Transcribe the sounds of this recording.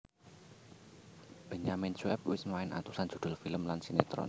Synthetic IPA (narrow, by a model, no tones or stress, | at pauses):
b̥ə̤ɲamɪnsuɛp̚wɪsmaɪnʔa̰t̪usan̥ʒ̥ṳd̪̥ʊ̤lfiləmlansinet̪ɾɔ̰n